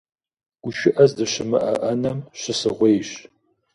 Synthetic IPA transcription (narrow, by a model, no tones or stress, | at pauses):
ɡ̥ʷʊʃɪʔɐzdɨɕɪmɨ̰ʔɐʔɐnɐmɕɪsɨʁʷejɕ